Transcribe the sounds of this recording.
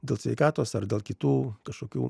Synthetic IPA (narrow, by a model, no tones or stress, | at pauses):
d̪ʲeːlˠsʲʋʲɛɪkaːt̪oːsɐɾd̪ʲeːlˠkʲɪt̪uːkɐʃkoːkʲṵː